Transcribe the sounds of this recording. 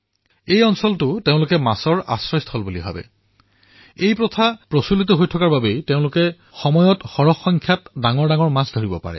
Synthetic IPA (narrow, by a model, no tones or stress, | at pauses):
ejɔnsɔltʊteʊ̃lʊkɛmasɔɹa̰sɹɔjstʰɔlbulibʱa̰bɛ̰ | ejpɹɔtʰapɹɔsulitɔɦojtʰɔkaɹbabejteʊ̃lʊkɛ | xɔmɔjɔtxɔɹɔxːɔŋkʰjatdaŋɔɹdaŋɔɹmasdʱoɹibɔpa̰ɹɛ̰